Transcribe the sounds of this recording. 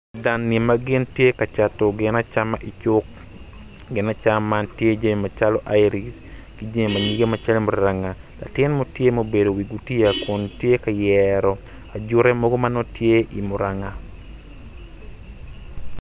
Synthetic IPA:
da˨nːe˨maɡɪ˦ntje˦ka˨t͡ʃatɔ˨ɡɪ˨na˦t͡ʃamaʔi˨t͡ʃʊ˦k | ɡɪ˨na˦t͡ʃa˦mantje˦d͡ʒe˦me˨ma˨t͡ʃa˦lɔ˦ʔa˦jɾis | ɡ̥id͡ʒe˦mi˨ma˨ɲi˦ɡe˦ma˨t͡ʃa˦lmʊ˨ɾaŋa˨ | la̰˨tɪ˦nmo˦tje˦mo˦be˨do˨wi˨ɡuti˦jakʊ˨ntje˦ka˨jɛɾɔ˨ | a˨d͡ʒʊ˦ɾɛ˦mɔɡɔ˦ma˦nɔ˦tje˦ʔi˨mʊ˨ɾaŋa˨

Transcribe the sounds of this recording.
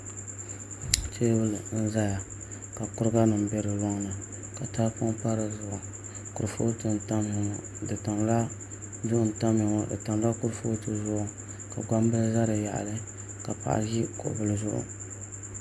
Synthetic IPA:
tʰe˦wʊ˦lɨ˨n̩˦za˦ja˨ | ka˨kʊ˦ɾɨ˦ɡa˦nɨ˨m̩˨bɛ˦ɾɨ˨lɔ˦ŋnɨ˨ | ka˨taː˦pʊ˦ŋ˦pa˦ɾɨ˨zʊ˨ʔʊ˨ | kʊ˨ɾfo˦tɨ˨n̩˨ta˦m˦ɪ˨ŋɔ˨ | dɨ˨ta˨mla˦ | zʊ˦ʔʊ˨n̩˨ta˦mɪ˨ŋɔ˨dɨ̰˨ta˨m˦la˦kʊ˦ɾfo˦tɨ˨zʊ˦ʔʊ˨ | ka˨ɡa˦m˦bɨ˦lza˦ɾɨ˨ja̰˨ʔa̰˨lɨ˦ | ka˨pa̰˨ʔa̰˨ʒi˦kʊ̰˨ʔbɨ˨lɨ˨zʊ˦ʔʊ̰˨

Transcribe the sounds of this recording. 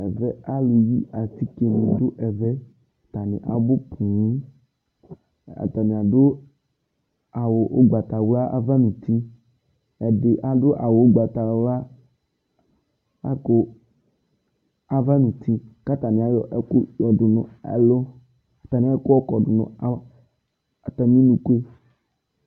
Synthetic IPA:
ɛ˨vɛ˦a˦le˨ji˦a˨t̪i˦ke˨nũ˨d̪ʊ˦ʔɛ˨vɛ˦ | t̪a˨nɪ̰̃˨ʔa̰˨bo˦pʰũ˨˦ | a̰˨t̪a˨nĩ˨a˨dʊ˦ | a˨wo˨ʔo˦ɡ͡ba˨t̪a˨wla˦ʔa̰˦va˦nũ˨t̪i˦ | ɛ˨dɪ˨ʔa˦dʊ˦ʔa˨wo˨˦ɡ͡ba˨t̪a˨wla˦ | a˦kʊ˨ | a˨va˦nũ˨t̪i˦ka˦t̪a˨nɪ̃˨a˨jɔ˨ʔɛ˦kʊ˦jɔ˨dʊ˨nʊ̰̃˨ɛ̰˨lo˦ | a˨t̪a˨nɪ̃˨˦ɛ˦kʊ˦ɔ˦kɔ˨dʊ˨nʊ̰̃˨˦ | a˨t̪a˨mĩ˦nũ˨ke˦

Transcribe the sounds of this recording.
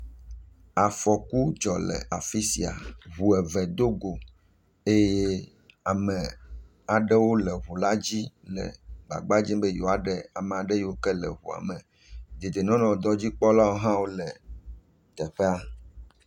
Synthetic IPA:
a˨fɔ˨ku˦d͡ʒɔ˨lɛ̰˨a˨fi˦si˨a̰˨ɦu˨ɛ˨vɛ˨d̪o˦ɡo˨ | e˦je˦ | a˨mɛ˨ | a˨ɖɛ˦wo˦lɛ˨ɦu˨la˦d͡ʑi˦lɛ̰˨ɡ͡ba̰˨ɡ͡ba˦d͡ʑĩ˦mbe˦jo˨a˨ɖɛ˨a˨mɛ˨a˨ɖe˦jwo˦kɛ˦lɛ̰˨ɦṵ˨a̰˨mɛ˨ | d̪e˨d̪e˨nɔ̃˦nɔ̃˨d̪ɔ˦d͡ʑi˦k͡pɔ˦la˦wo˦ɦã˦wo˦lɛ˨ | t̪ɛ˨ɸe˦a˦

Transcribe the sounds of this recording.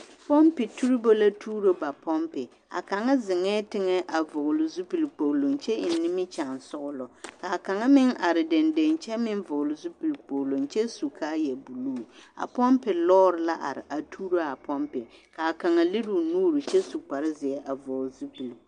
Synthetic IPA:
pɔ˦mpɪ˨tu˦ɾɪ˦bo˦la˦tʰuː˦ɾo˦ba˨pɔ˦mpɪ˨ | a̰˨ka˨ŋa˦zɪ˨ŋɛː˦tɪ˦ŋɛ˦ʔa˨vʊ˨ʔʊ˨lʊ˨zu˦pi˨lk͡po˨lo˨ŋ˨t͡ʃɛ˦ɪ˨nː˦ɪ˦mɪ˦t͡ʃa˨n˨sʊ˦ʔʊ˦lɔ˨ka˨ka˨ŋa˦mɪ˦ŋa˨ɾɪ˨de˨nde˨nt͡ʃɛ˦mɪ˦n˦vʊ˨ʔʊ˨lʊ˨zu˦pi˨lk͡po˨lo˨ŋt͡ʃɛ˦su˨kʰaː˦jɛ˨bu˨luː˦˨a̰˨pɔ˦mpɪ˨lɔː˦ɾɪ˨la˦ʔa̰˨ɾɪ̰˨ʔa˨tʰuː˦ɾo˦a˨pɔ˦mpɪ˨ka˨ka˨ŋa˨lɪ˦ɾu˨nuː˦ɾu˨t͡ʃɛ˦su˨k͡pa˨ɾɪ˦zɪ˨ɛ˦ʔa˨vʊ˨zu˦pi˨l

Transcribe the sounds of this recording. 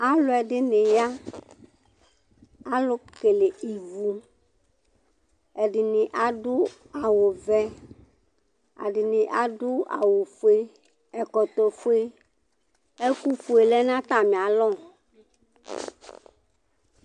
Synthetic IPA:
a˦lʊ˨˦ɛ˨ɖɪ˦ne˨ja˦ | a˦lʊ˦ke˨le˨ʔi˨vu˨ | ɛ˨ɖɪ˨nɪ̃˨ʔa˨ɖʊ˦ | a˨wo˨vɛ˦ | a̰˨ɖɪ˨nɪ̃˨ʔa˨ɖʊ˦ʔa̰˨wo˨fo˦e˦ | ɛ˨kɔ˨t̪ɔ˨fo˦e˦ | e˦ku˦fu˨e˨lɛ˦nã˦t̪a˨mĩ˨a˨lɔ˦˨

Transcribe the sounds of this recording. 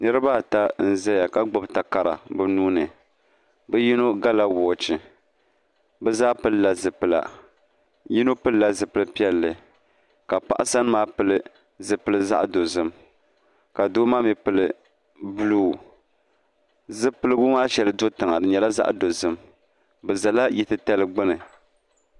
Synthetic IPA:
nɨ˦ɾɨ˦ba˦˨ta˦n̩˦˨zɛ˦ja˨ka˦ɡ͡bɔ˦bta˨ka˨ɾa̰˨bɨ˦nuː˦nɨ˨ | bɨ˦ji˦no˦ɡa˦la˦wɔː˨t͡ʃɨ˨ | bɨ˦zaː˦pɨ˦lla˨zɨ˨pɨ˨la̰˨ | ji˦no˦pɨ˦lla˦zɨ˨pɨ˨lɨ˦pi˦ɛ˦lːɨ˨ | ka˨pa̰˦ʔa˦sa˦n˦maː˦pɨ˨lɨ˦ | zɨ˨pɨ˨lɨ˨za̰˦ʔdo˨zɨ˦m | ka˨do˦maː˦mi˨pɨ˨lɨ˨ | bluː˦˨ | zɨ˦pɨ˦lɨ˦bu˦maː˦ʃɛ˨lɨ˨do˦tɨ˨ŋa˨dɨ˨ɲɛ˨la˦za̰˦ʔdo˨zɨ˦m | bɨ˨za˨la˦ji˨tɨ˦tɛ˦lɨ˦ɡ͡bɨ˦nɨ˨

